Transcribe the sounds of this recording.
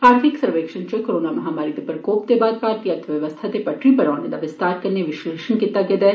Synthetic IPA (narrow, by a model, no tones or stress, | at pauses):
aːɾt̪ʰiksɐɾʋeːkʂənt͡ʃəkoɾoːnamɐɦaːmaːɾit̪epɾɐkoːp̚t̪ebaːd̪̚kaːɾt̪jət̪ʰʋjɐʋəst̪ʰat̪epɐʈʰɾipɐɽaːned̪aʋɪst̪aːɾkɐɾneʋɪʃleːʃənkit̪ːaɡed̪ɛ